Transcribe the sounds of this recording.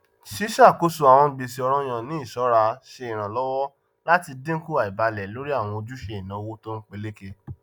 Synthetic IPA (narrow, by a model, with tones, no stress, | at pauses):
ʃi˦ʃa˦˨ko˦su˨˧a˨w̃ɔ̃˧˦ɡ͡bi˨si˧˦ɔ˧ɾ̃ɔ̃˦j̃ã˨nĩ˨˦i˦˨ʃɔ˨˦ɾa˧ʃe˧i˨ɾ̃ã˨lɔ˦wɔ˦ | la˦ti˧dẽ˦ku˦a˨i˨ba˧lɛ˨lo˦ɾi˦a˦˨w̃ɔ̃˧o˧d͡ʒu˦ʃe˧i˨nã˨˦o˧wo˦to˦n̩˦k͡pe˦le˦ke˧